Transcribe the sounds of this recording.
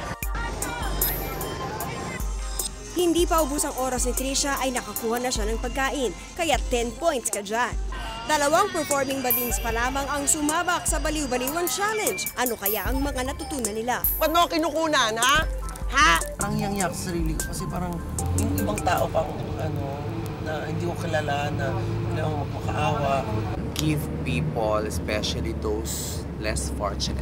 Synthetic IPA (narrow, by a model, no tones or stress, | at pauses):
hɪnd̪ipɐʔʊbusɐŋʔo̞ːɾɐsnɪt̪ɾiʃɐʔɐjnɐkɐkuːhɐnɐʃanɐŋpɐɡ̚kaːʔɪn | kɐjat̪ːɛnpo̞jnt̪skɐd͡ʒand̪ɐlɐwaŋpɛɹfo̞ɹmɪŋbɐd̪inspɐlaːmɐŋɐŋsʊmaːbɐk̚sɐbɐliwbɐliwɐnt͡ʃalɛnd͡ʒʔɐno̞kɐjaʔɐŋmɐŋanɐt̪ʊt̪uːnɐnɪla | pɐd̪̚mokɪnʊkuːnana | haɾɐŋjaŋjaksɐɾiːlɪkokɐsɛpaːɾɐŋ | jʊŋʔɪbaŋt̪aːʔopɐŋ | ɐno̞ | nɐhɪnd̪iːkokɪlalaːnːɐɪlamomɐɡ̚pɐkɐ̰ʔaːwɐʔ | ɡɪvpiːpolɛspɛʃɐlid̪ows | lɛ̰sfo̰ɹt͡ʃɪn̰